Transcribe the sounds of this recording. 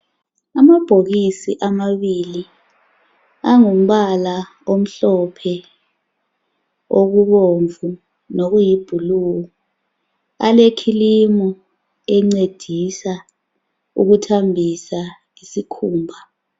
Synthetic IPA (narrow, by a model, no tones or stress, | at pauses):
amab̥ʱok̬isiʔamaɓili | aŋum̩ɓala | om̩ɬɔpʰɛ | ok̬uɓoɱvu | nok̬ujib̥ʱuluːkɔ | alekʰilimɔ | ɛŋ͡ǀed̥ʱisa | ṵk̬utʰambʱisa | isikʰuːmbʱa